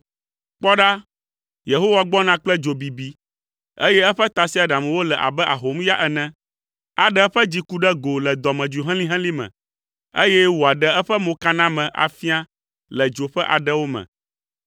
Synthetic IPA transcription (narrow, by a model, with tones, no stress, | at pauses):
k͡pɔ˦ɖa˦ | je˨ɦo˦wa˦ɡ͡bɔ˦nã˦k͡plɛ˦d͡ʒo˨bi˨bi˨ | ḛ˦jɛ˦ɛ˦ɸɛ˦t̪a˨si˦a˨ɖã˨mɛ̃˨wo˦lɛ˨ʔa̰˨bɛ˦ʔa̰˨ɦo˨˦m˦ja˦ʔɛ˨nɛ̃˦ | a˨ɖɛ˦ɛ˦ɸɛ˦d͡ʑi˦ku˦ɖɛ˦ɡo˨lɛ˨d̪ɔ˨mɛ̃˨d͡ʒu˨ɦɛ̃˦lĩ˦ɦɛ̃˦li˦mɛ̰̃˨ | ḛ˦jɛ˦wo˨a˨ɖɛ˦ɛ˦ɸɛ˦mõ˨ka˦nã˦mɛ̃˨ʔa̰˨fi˦a˦ | lɛ˨d͡ʒo˨ɸɛ˦ʔa̰˨ɖɛ˦wo˦mɛ̰̃˨